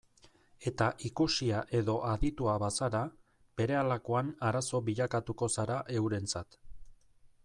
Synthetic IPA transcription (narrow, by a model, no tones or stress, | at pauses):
e̞t̪aʔikusiaʔe̞ðo̞ʔaðit̪uaβasaɾa | b̥e̞ɾe̞alakoanaɾaso̞βiʎakat̪uko̞saɾaʔe̞wɾe̞nt͡sat̪